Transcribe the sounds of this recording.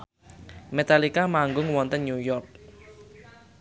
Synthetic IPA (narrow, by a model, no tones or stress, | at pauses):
met̪alikamaŋɡʊŋwɔnt̪ənɲujɔrk̚